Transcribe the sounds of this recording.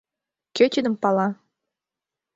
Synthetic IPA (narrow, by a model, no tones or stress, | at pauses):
kʲøt͡ɕʲid̪ə̆mpɑlɑ